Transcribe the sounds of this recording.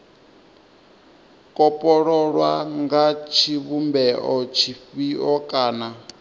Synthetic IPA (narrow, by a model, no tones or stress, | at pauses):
kʼɔpʼɔɺɔɺwaŋɡat͡ʃʰiβumbɛʔɔt͡ʃʰiɸiʔɔkʼaːna